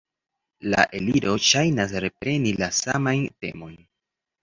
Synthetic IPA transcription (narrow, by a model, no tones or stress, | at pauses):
la̰ʔe̞liɾo̞ʃajnas̬ɾe̞pɾe̞nilasamajnte̞̰mo̞jn